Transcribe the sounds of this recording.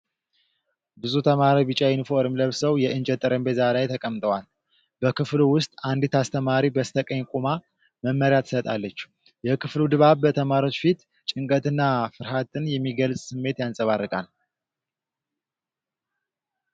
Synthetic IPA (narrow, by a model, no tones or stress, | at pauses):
bɨzut̪ʰəmaɾaβɨt͡ʃʼajinfo̞ɾɨmləβsəwjɛʔɨnd͡ʒɛt̪ʼɨɾəmbezalajt̪ʰəkʼəmt̪ʼəwal | bəkʰɨfluwʊst̪ʼand̪it̪ʰast̪ʰəmaɾibəst̪ʰəkʼəɲkʼuma | məmːəɾijat̪ʰːɨ̥sət̪ʼa̰lːət͡ʃː | jɛkʰɨflud̪ɨβaβbət̪ʰəmaɾo̞t͡ʃːfit̪ | t͡ʃʼɨŋkʼət̪ʰɨnːafɨɾɦat̪ɨnjɛmːiɡəlsʼsɨmːe̞t̪jansʼəβarːɨkʼa̰l